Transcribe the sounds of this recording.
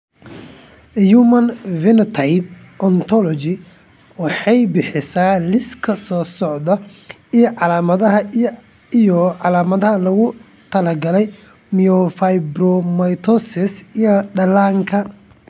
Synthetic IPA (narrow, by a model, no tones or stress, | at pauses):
jumɐnvɪnt̪ʰɐjb̚ | ʔɔnt̪ʰɔlɔt͡ʃɪ | wɑħɑjbɪħɪsaːlɪskʰɐsɔːsɔʕd̪ɐ | ijʕɑlaːmɐðɐɦɐ | ijɔʕɑlaːmɐðɐɦɐlɐɣʊ | t̪ʰɐlɐɡɐlɛj | miɔfajbɾɔmɐjt̪ʰɔsɪsijɔɖɐlaːŋkʰɐ